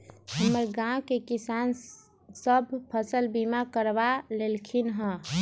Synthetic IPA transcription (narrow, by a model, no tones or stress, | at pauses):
ɦəmːəɾɡãwkekisan | səbʱpʰəsəlbimakəɾbalelkʰinɦə̃